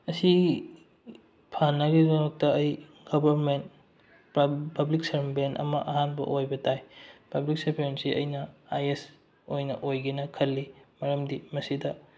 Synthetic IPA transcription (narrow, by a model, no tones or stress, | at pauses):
ɐsii | pʰanːɐɡizɐnok̚tɐɐj | ɡ̥obɐɾment | ppɐbliksɐɾbenɐ̰mɐʔɐɦanbɐ̰ʔojbɐtajpɐblik̚seɾbʰeensiʔɐ̰jnɐajes | ojnɐʔojɡinɐkʰɐlːimɐɾɐmdimɐsidɐ